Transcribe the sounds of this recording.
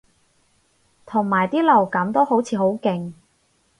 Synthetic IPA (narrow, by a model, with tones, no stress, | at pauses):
t̪ʰʊ˨˩ŋmaː˨˩jt̪iː˥lɐ˨˩wkɐ˨˥mt̪o˥ho˨˥wt͡sʰiː˨˧ɦo˨˥wkɪ˨˩ŋ